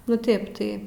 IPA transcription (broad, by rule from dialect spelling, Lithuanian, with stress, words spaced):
nʊ ˈtʲeːp tɐɪ